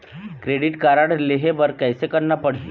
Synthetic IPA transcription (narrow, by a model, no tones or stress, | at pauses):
kɾeɽiːʈkaɾaɽleɦebəɾkajsekənːapəɽ̤i